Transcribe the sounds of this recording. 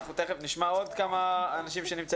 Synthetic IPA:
χut̪eχefniʃmaod̪kamaːnaʃimʃenimt͡sa

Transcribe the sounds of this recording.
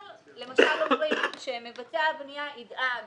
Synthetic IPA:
l | le̞maʃalːomʁejʃemevateabnijaid̪a

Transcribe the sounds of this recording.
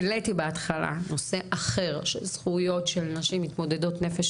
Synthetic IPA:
letibeat̪χala̰no̞se̞ʔaχe̞ʁʃḛz̥χujo̞tʃelnaʃimit̪mo̞de̞do̞tne̞feʃ

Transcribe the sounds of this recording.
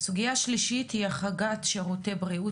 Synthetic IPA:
suɡijaʃliʃithiaχaɡatʃeʁote̞bʁiu

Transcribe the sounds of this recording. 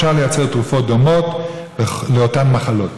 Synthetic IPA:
aʁlejat͡seʁtʁufot̚d̪omot | leotanmaχalot

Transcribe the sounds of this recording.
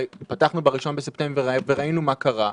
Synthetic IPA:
pataχnubaʁiʃo̞nbesepte̞mbeveʁainumakaʁa

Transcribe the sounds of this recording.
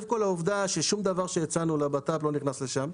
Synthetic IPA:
fkolauvd̪aʃeʃumd̪avaʁʃejat͡sanulabat̪aplo̞niχnasle̞ʃam

